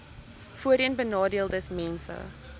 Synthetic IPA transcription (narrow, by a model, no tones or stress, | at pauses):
fuəɾiənbənɑːdiəlˠdəsmɛnsə̰